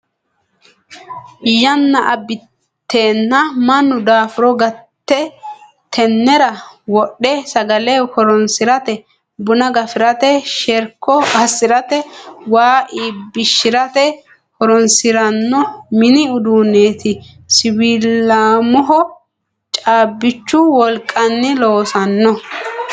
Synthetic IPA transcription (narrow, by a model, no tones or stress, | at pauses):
jɐnːɐʔɐbɪ | t̪ːeːnːɐmɐnːʊd̪aːfɪɾɔɡɐt̪ːɛ | t̪ʰɛnːɛɾɐwɔɗːɛsɐɡɐlɛkɔɾɔnsɪɾɐt̪ɛ | bʊnɐɡɐfɪɾɐt̪ɛʃɛɾkːɔɐsɪɾɐt̪ɛwaːʔiːbːɪʃːɪɾɐt̪ɛ | kɔɾɔnsɪɾɐnːɔmɪnɪʊd̪uːneːt̪ɪ | sɪwiːlːaːmɔɦɔ | t͡ʃʼaːbːɪt͡ʃːʊwɔlkʼːɐnːɪloːsɐnːɔ